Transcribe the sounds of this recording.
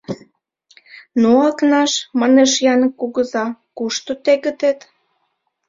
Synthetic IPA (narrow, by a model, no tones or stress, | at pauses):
noɑknɑʃməneʃjɑnəkuɣəzɑkuʃt̪ot̪eɣə̆t̪et̪